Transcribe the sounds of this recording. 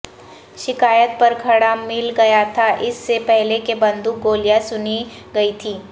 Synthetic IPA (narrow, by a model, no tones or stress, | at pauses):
ʃɪkaːjət̪̚pɐɾkʰɐɽamɪlɡɐjat̪ʰaʔɪsːepɛɦlekebɐ̃nd̪uk̚ɡoːlijasʊni | ɡɐit̪ʰiː